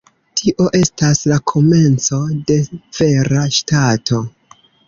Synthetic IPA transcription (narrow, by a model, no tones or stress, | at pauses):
tʰiʔo̞ʔe̞staslakʰo̞me̞nt͡so̞de̞v̥e̞ɾaʃtatʰo̞